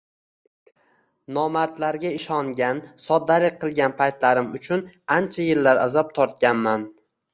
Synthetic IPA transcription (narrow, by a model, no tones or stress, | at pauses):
nɒmaɾt̪laɾɡʲaɪʃɒŋɡʲansɒd̪ːalɪk̚ʲqʰɨlˠɡʲanpʰajt̪laɾɪmʊt͡ʃʰʊnant͡ʃʰajɪlːaɾa̰zɒp̚t̪ʰɒɾt̪̚kʲanman